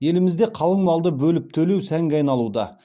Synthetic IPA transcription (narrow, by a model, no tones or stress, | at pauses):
je̞lɪmɪzd̪e̞qʰɑlˠəɴmɑlˠd̪əbɵlɪp̚t̪ʰɵlewsæŋɡʲɪɑjnɑlˠud̪ɑ̰